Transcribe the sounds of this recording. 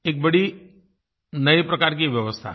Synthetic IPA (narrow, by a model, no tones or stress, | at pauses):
eːk̚bəɽi | nəipɾəkaɾk̬iʋjəʋəst̪ʰa̰